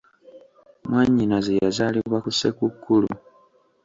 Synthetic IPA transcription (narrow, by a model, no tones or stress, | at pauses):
mwaɲːinazejazaːliβwakuse̞kukːulu